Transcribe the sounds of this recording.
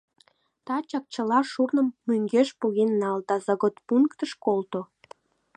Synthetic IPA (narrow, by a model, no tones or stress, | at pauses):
t̪ɑt͡ɕɑk̚t͡ɕəlɑʃurnə̆mːyŋɡeʃpuɣenːɑld̪ɑzɑɣot̪puŋkt̪əʃkolt̪o